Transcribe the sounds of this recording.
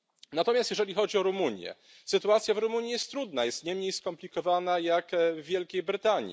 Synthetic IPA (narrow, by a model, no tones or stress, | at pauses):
nat̪ɔmʲjast̪jɛʐɛlʲixɔd͡ʑiɔɾumuɲjɛ̰ | sɘt̪uat̪sʲjavɾumuɲijɛst̪ːɾud̪najɛst̪ɲɛmɲejskɔmplʲikɔvanajakvːʲjɛlkʲejbɾɘt̪aɲḭ